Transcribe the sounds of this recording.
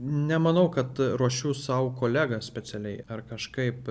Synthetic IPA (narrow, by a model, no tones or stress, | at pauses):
nʲɛmɐnɐʊkɐt̪ɾuɔʃʲuːsɐʊkoːlʲæːɡɐsʲpʲɛt͡s̪ʲɛlʲɛɪɐrkɐʃkɐɪp